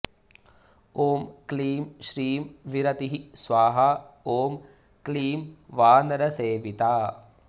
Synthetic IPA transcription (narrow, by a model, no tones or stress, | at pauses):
oːmkliːmʃɾiːmʋiɾɐt̪iɦisʋaːɦaoːm | kliːmʋaːnɐɾɐseːʋit̪aː